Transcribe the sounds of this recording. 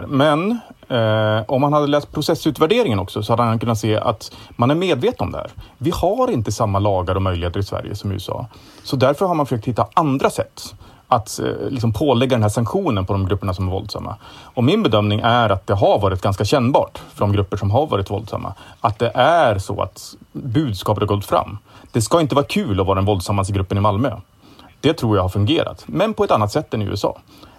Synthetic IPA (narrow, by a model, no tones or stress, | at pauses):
mɛn | ɔmːhanhad̪ːəlɛːst̪̚pʰɾʊsɛsːʉ̟ːt̪væɖeːɾɪŋənɔksɔsɔhad̪ːəankʰɵnːat̪seːʔa̰t̪manæɾmeːd̪veːt̪ənɔ̰md̪ɛhæ̰ːɾvɪhaɾɪnt̪əsamːalɑːɡaɾɔmœjlɪheːt̪ːəɾɪsvæ̰ɾjə̰sɔmj̰ɵ̰sɑ̰ː | sɔd̪æɾfœɾhaɾmanfœʂœk̚t̪hɪt̪ːaand̪ɾasɛt̪ː | at̪lɪks̬ɔmpʰoːlɛɡːad̪ɛnɦæːʂaŋkɧuːnənpʰɔd̪ɔmɡɾɵpːəɳasɔmæɾvɔ̰ld̪sa̰mːa̰ɔmɪnbɛd̪œmnɪŋʔæɾat̪̚d̪ɛɦaɾvɑːɾɪt̪̚ɡanskaɕɛnːbɑ̰ːʈfœɖɔmɡɾɵpːəʂɔmɦaɾvɑ̰ːɾɪt̪vɔ̰ld̪sa̰mːa̰at̪̚d̪ɛʔæɾsɔ̰a̰t̪bʉ̟ːd̪skɑːpət̪haɡɔlt̪fɾa̰mːd̪̥ɛskaɪnt̪əvɑːɾakʰʉ̟ːlɔvɑːɾaɛnvɔld̪samːansɡɾɵpːənɪmalmø | d̪̥ɛt̪ʰɾuːɾjahaɾfɵŋɡeːɾa̰t̪mɛnpʰɔɛt̪ːanːat̪sɛt̪ːɛnʉ̰ːɛsɑ̰ː